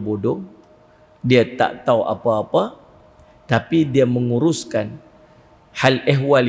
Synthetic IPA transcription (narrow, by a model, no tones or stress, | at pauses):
bodɔŋ | diat̪a̰ʔt̪aua̰paːpa | t̪apidiaməŋuɾʊskan | halɛɦwal